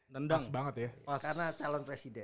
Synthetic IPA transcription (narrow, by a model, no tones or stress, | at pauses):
nəndaŋbaŋət̪jakarnat͡ʃalɔnpɾesidɛn